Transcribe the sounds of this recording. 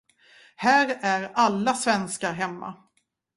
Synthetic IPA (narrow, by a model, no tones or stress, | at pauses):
hæːɾæɾalːasvɛnskaɾɦɛmːa̰